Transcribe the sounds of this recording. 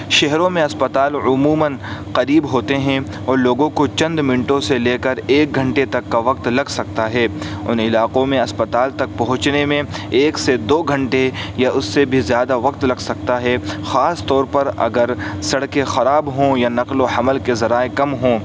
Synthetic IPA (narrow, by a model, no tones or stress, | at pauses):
ʃɛɦɾõmẽɐspɐt̪aːlʊmuːmənqɐɾiːbɦoːt̪eɦɛ̃ | ɔːɾloːɡõkot͡ʃɐ̃nd̪mɪnʈõseleːkəɾeːk̚ɡʱɐ̃ɳʈet̪ɐkːaʋɐqt̪lɐɡsɐk̚t̪aɦɛːʊ̰nɪlaːqõmẽɐspɐt̪aːlt̪ɐk̚pɐɦʊ̃t͡ʃnemẽeːksed̪oːɡʱɐ̃ɳʈejaʔʊsːebʱizjaːd̪aʋɐqt̪lɐɡsɐk̚t̪aɦɛxaːst̪ɔːɾpɐɾɐ̰ɡəɾsɐɽkexɐɾaːbɦõjanɐqlohɐməlkezɐɾaːekɐmɦõː